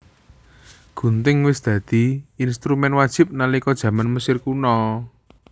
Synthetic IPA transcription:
ɡ̥ṳnt̪ɪŋwɪsd̪̥ä̤d̪̥i̤inst̪ɾumɛnwad̥ʒ̥ɪ̤p̚nalikɔd̥ʒ̥ä̤manməsɪrkunɔ

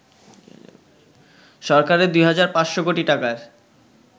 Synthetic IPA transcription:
ʃɔɾkaɾed̪ujɦad͡ʑaɾpãsʃokoʈiʈakaɾ

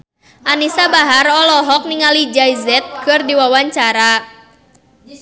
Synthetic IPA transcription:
ʔanisabaɦaɾɔlɔɦɔk̚niŋalid͡ʒaizɛt̪̚kɨrdiwawaɲt͡ʃaɾa

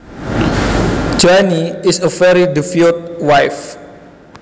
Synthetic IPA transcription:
d͡ʒaniisəvɛɹidifilt̚wajf

